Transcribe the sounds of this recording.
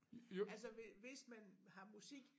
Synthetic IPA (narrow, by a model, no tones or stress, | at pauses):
æls̬ɐʋeʋe̝smænhɑ̈musiɡ̥